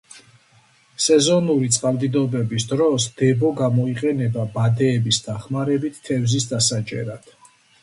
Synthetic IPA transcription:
sɛzɔnuɾit̪sʼqʼalˠd̪id̪ɔbɛbisd̪ɾɔsd̪̥ɛbɔɡamɔiqʼɛnɛbabad̪ɛːbisd̪aχmaɾɛbit̪ʰːɛvzisd̪asat͡ʃʼɛ̰ɾad̪̥

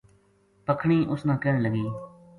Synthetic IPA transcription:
pəkʰɳ̃iːʔʊsnãːkɛːɳləɡiː

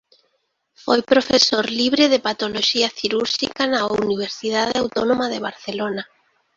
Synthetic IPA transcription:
fojpɾofesoɾliβɾeðepat̪oloʃiaθiɾuɾʃḭkanauniβ̞eɾsið̞aðeawt̪onomaðeβ̞aɾθelona

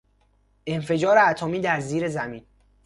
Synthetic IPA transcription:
ʔe̞nfe̞d͡ʒɒːɾeæt̪ʰomiːd̪æɾziːɾezæmiːn

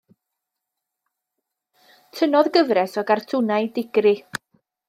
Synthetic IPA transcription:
tʰənɔðɡəvɾɛsɔɡartʰʊnajdɪɡ̥rɪ

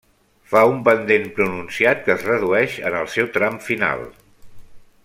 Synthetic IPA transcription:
faumpənd̪enpɾununsiat̪̚kəːzrəðuɛʃə̰nəlˠsɛwt̪ɾamfina̰lˠ

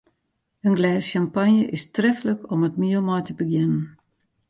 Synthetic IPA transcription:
ənɡlɛːsʃampanjəʔɪstrɛfələkɔmətmiəlˠmɔjtəbəɡjɪnən

